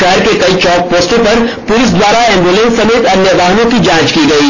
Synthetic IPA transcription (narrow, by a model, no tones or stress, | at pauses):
aːɾkekɐit͡ʃɔːp̚poːsʈõpɐɾ | pʊlɪs̬d̪waːɾaɛ̃ːmbulɛ̃nsːɐmeːt̪ɐnjəʋaːɦnõkid͡ʒãːt͡ʃkiɡɐiː